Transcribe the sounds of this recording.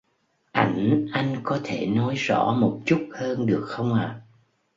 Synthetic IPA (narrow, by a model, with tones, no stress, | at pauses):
ʔa˧˩jŋ̟ʔa˧jŋ̟kɔ˨˦t̪ʰe˧˩nɔ˨˦jz̥ɔ̰˧˥mo˨˩t̚t͡ɕu˦˥t̚həː˧nɗɨ˨˩ək̚xə˧wŋ͡mʔaː˨˩